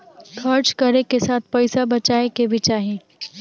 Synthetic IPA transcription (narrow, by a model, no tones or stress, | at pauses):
kʰɐɾt͡ʃkɐɾnekesaːt̪̚ʰpɛɪsabɐt͡ʃaːekebʱit͡ʃaːɦiẽː